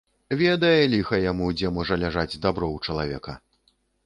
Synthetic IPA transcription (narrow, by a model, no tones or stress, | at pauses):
vʲɛd̪ɐjɛlʲixɐjamud͡zʲɛmɔʐɐlʲaʐad͡zʲd̪abɾɔwt͡ʂɐlˠavʲɛ̰kɐ̰